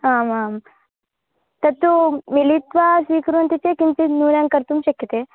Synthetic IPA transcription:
aːmaːm | t̪ɐt̪ːumilit̪ʋasʋiːkɐɾunt̪it̪ekint̪inuːɾjaːŋkɐɾt̪umt͡ʃekːit̪e

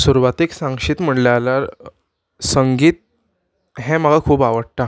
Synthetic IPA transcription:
suɾʋat̪eksãŋɡʂiːt̪m̤əɳlaalaɾ | səŋɡiːt̪̚ | ɦɛ̃m̤əɡakʰuːbaʋəɽ̚t̪a

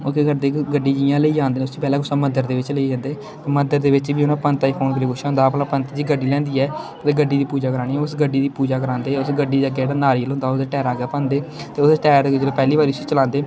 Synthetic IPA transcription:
okeɡəd̪eːɡəɖiːd͡ʒijãːləiːd͡ʒãːnd̪eːnʊst̪oːpɛːlaːkʊsãːməd̪əɾd̪eːʋɪt͡ʃləiːd͡ʒãːnd̪eː | t̪eːməd̪əɾd̪eːʋɪt͡ʃʋiːʊnãːpənt̪aːiːpʰoːnkəlieːkʊʃaɦõːnd̪aːpnãːpənt̪ːd͡ʒiːɡəɖːiːlɛ̃ːnd̪iːɛː | t̪eːɡəɖːiːd̪iːpuːd͡ʒaːkəɾaːɽiːɛʊsɡəɖːiːd̪iːpuːd͡ʒaːkəɾãːnd̪eːɛʊsɡəɖiːd̪iəɡeeːɽaːnaːɾiːəloʊ̃ːnd̪aːʊd̪eːʈɛːɾaːɡɛːpãːnd̪eː | t̪eːʊsʈɛːɾd̪ed͡ʒɾeːpɛːliːbaːɾiːsit͡ʃəlãːnd̪eː

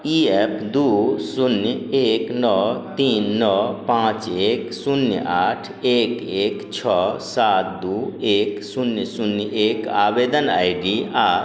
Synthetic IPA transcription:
iepd̪usunjeknɔt̪iːnːɔpãːt͡ʃeːksunjaʈʰeːkeːkt͡ʃʰɔsat̪̚d̪uːeksunjsunjekaːbed̪əna̰jɖia

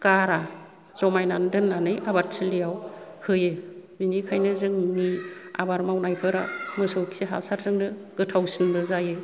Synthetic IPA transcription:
kaɾa | z̥ɔmajnandɯnːanɯjabaɾsʰilijawhɯjɯbinikʰajnɯzɯŋnia̰baɾmawnajpʰɯɾa̰mɯsoksiɦa̰saɾzɯŋnɯɡɯtʰawsɯnbɯzajɯ

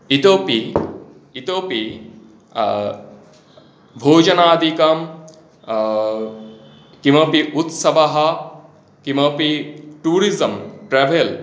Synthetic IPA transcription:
it̪oːpi | it̪oːpi | bʱoːd͡ʒɐnaːd̪ʱikɐm | kimɐpiʔut̪sɐʋɐɦɐ | kimɐpiʈuːɾizɐmʈɾɛʋʱel

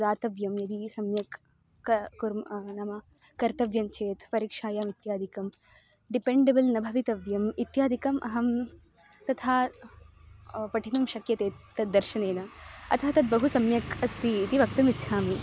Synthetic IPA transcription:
d̪aːt̪ɐʋjɐmjɐd̪isɐmjɐkː | ɐkuɾmnɐmɐ | kɐɾt̪ɐʋjɐnt͡ʃeːt̪pɐɾiːkʂaːjaːmit̪jaːd̪ʱikɐm | ɖipeɳɖebɐlnɐbʱɐʋit̪ɐʋjɐmit̪jaːd̪ʱikɐmʔɐɦɐm | t̪ɐt̪ʰaː | pɐʈʰinɐmʃɐkjɐt̪eːt̪ːɐd̪̚d̪ːɐɾʃɐneːnɐɐ̰t̪ʰɐɦɐt̪ɐd̪̚bɐɦusɐmjɐkɐst̪iːt̪iʋɐk̚t̪ɐmit̪ːʃʰaːmi

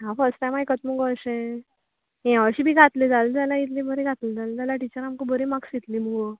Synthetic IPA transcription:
ɦãfəɾsʈʈajmajkət͡sməɡoəɕẽ | ɛ̃ʋəɕiːbʱiːɡʱat̪led͡zald͡zalait̪̬lĩbəɾĩɡat̪led͡zald͡zalaʈit͡ɕəɾamkəbʱəɾimaksit̪liməɡo

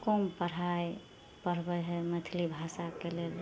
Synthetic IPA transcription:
kompəɽ̤aj | pəɾbəɦɛmət̪ʰilibʱasakelel

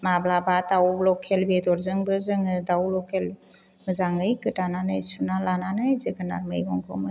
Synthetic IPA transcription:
mablabatawlɔkʰelbedɔɾzɯŋbɯzɯŋɯdawlɔkʰel | mɯzaŋɯjkɯtananɯjsunalananɯjzɯɡɯna̰ɾmɯ̰jɡɔŋkʰɔ̰mɯ

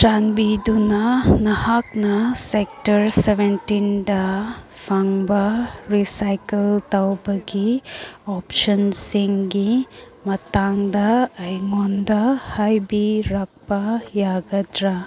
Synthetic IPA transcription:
tanbidunɐnɐhak̚nɐsek̚tɐɾsebentindɐ | pʰaŋbɐɾisajkeltɐwbɐɡiɔpsɐnsiŋɡi | mɐtaŋdɐɐjŋondɐhajbiɾak̚pɐjaɡɐdɾa

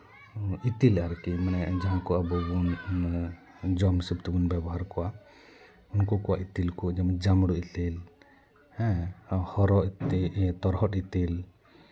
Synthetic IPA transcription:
ʔit̪ilaɾkimanɛd͡ʒaɦãkɔabɔbun | d͡ʒɔmsibt̪ubunbɛbɔɦaɾkɔwa | unkɔkɔʔa̰ʔit̪ilkɔd͡ʒamɛd͡ʒamɽɔit̪il | hɛ̃hɔɾɔt̪it̪ɔɾɦɔt̪it̪il

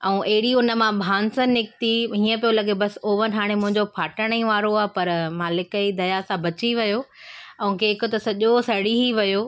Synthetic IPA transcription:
ɛ̃ũʔɐɦɪɽiʊnə̆mãbʱaːnsənnɪk̚t̪iɦĩːə̃p̬ijolɐɡebɐsoːʋənɦaːɽ̃emʊ̃ɦɪ̃ɲd͡ʑopʰaːʈəɽ̃ə̃ĩʋaːɾoaːɦpɐɾmaːlɪkəid̪ɐjasãbɐt͡ɕiʋɐjoɐ̃ũkeɪkʊt̪ɐsɐʄosɐɽiɦiʋɐjoː

